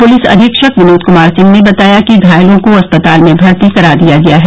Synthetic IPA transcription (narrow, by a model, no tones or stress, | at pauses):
pʊlisɐ̰d̪ʱɪkʃɐkʋɪnoːt̪kʊmaːɾsɪ̃ŋɡnebɐt̪aːjakiɡʱaːjlõkoɐspɐt̪aːlmẽbʱɐɾt̪ikɐɾaːɾd̪ijaɡɐjaɦɛ